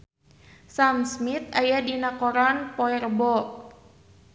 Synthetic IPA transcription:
samsmit̪̚ajadinakɔɾɔnpɔɛrbɔ

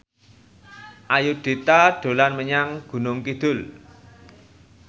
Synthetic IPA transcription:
ʔajuɖ̪̥e̤t̪aɖ̥o̤lanməɲaŋɡ̥ṳnʊŋkid̪̥ʊl

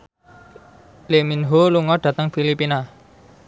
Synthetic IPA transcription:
leminɦoluŋɔɖ̥ä̤t̪əŋfilipina

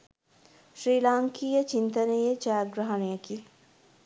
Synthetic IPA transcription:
ʃɾiːlaːŋkijət͡ʃint̪ənejət͡ʃaːɡɾɐɦɐnɐjəki

